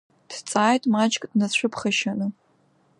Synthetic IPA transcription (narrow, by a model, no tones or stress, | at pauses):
d̥t͡sʼaːjtʼmat͡ʃʼkʼd̥nat͡ɕʷʊpʰχɐʃanɨ